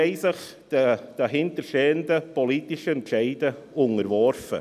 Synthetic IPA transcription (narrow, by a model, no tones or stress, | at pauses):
eɪsɪχ | d̥əd̥aɦɪntəɾʃteːəndəpʰoliːtɪʃəɛnʃeɪdəʊŋəɾvɔɾfə̰